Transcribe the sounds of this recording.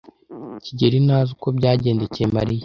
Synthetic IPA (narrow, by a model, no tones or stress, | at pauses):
ciɟeɾinaːzuko̞bɟaːɟe̞ːndecemaɾije